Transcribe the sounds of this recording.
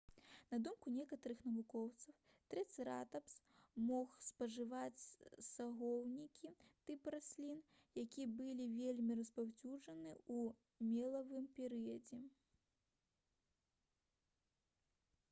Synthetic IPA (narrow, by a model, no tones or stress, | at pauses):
nɐd̪umkunʲɛkɐt̪ɐɾɨxnɐvukɔwt̪sɐw | t̪ɾɛt̪sʲɨɾa̰t̪ɐps | mɔxspɐʐɨvat͡sʲsaɣɔwnʲikʲit̪ɨpɾasʲlʲin | jakʲibɨlʲivʲelʲmʲiɾɐspawt͡sʲuʐɐnɨu | mʲɛlˠɐvɨmpʲɛɾɨjɐd͡zʲɛ